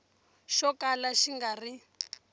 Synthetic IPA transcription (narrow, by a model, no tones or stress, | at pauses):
ʃɔkʼalaʃiŋɡari